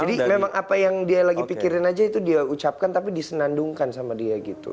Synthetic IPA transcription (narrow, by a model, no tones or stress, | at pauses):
d͡ʒadimemaŋʔapajaŋdialaɡipikiɾɪnad͡ʒait̪udiaut͡ʃap̚kant̪ap̬idisənanduŋkansamadiaɡit̪ṵ